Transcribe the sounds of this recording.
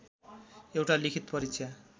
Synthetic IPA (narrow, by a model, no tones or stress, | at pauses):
ewʈalikʰit̪pʌɾit͡ʃʰa